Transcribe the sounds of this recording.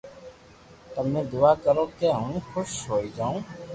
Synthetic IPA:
t̪əmẽːd̪ʊːaːkəɾoːkeɦəũːxʊʃɦoːiːd͡ʒaːũː

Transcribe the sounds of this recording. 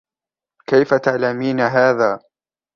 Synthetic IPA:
kajfat̪aʕlamiːnaɦaːðaː

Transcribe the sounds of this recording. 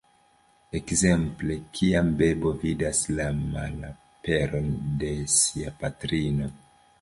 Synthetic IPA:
ekze̞mple̞kʰiambe̞bo̞vidaslama̰la | pe̞ɾo̞nde̞siapatɾino̞

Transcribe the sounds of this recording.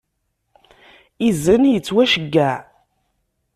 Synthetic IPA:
izənjət͡sːwæʃəɡːæ

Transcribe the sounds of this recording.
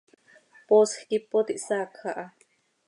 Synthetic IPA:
posxkipot̪iʔsakʰaʔa

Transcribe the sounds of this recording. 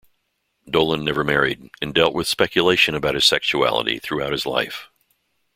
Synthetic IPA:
doʊlˠə̃nːɛvə˞mɛɹiɾɨ̃ndɛlˠʔ̚wɨð̥spɛkʰjɨleɪʃɨ̃nɨbaʊɾ̚hɨz̥sɛkʃuæ̰lˠə̰ɾḭθɹʉaʊt̚hɨzla̰ɪf

